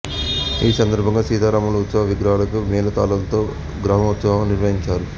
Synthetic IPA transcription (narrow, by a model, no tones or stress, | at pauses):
iːsɐnd̪ɐɾbʱɐŋɡaːsiːd̪aːɾaːmɐlɐut̪sɐʋɐʋiɡɾaːlɐkumɛːlɐt̪a̰ːlɐlɐt̪o̞ː | ɡɾaːmɐut̪sɐʋɐmniɾʋɐɦiɲt͡ʃaːɾu